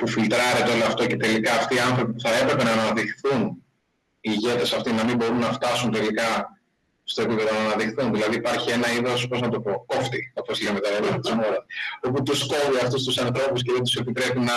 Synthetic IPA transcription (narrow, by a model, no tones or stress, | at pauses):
pufilt̪ɾɐɾet̪eo̞loɐft̪o̞ce̞t̪e̞likɐːft̪iːɐnθɾo̞pipuθɐe̞pɾe̞pe̞nɐːnɐðixθun | iːʝe̞t̪e̞sɐft̪inɐmimbo̞ɾunːɐft̪ɐsunt̪e̞likɐ | st̪o̞epipe̞ðonɐːnɐðixθunðilɐðiːpɐɾçie̞nɐiðo̞spo̞znɐt̪o̞po̞ko̞ft̪ioposilemet̪ɐɾeɾot̪izmo̞ɾɐso̞put̪usko̞viɐft̪ust̪usɐnθɾo̞pus̬ceðet̪use̞pit̪ɾe̞pinɐ